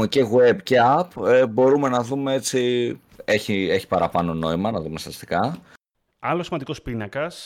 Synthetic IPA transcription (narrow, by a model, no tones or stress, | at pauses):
ece̞ɣwe̞bce̞ɐpebo̞ɾume̞nɐðumee̞t͡si | e̞çie̞çi̥pɐɾɐpɐno̞no̞imɐnɐðume̞st̪ɐst̪i̥kɐ | ɐlosimɐnd̪ikospinɐkɐs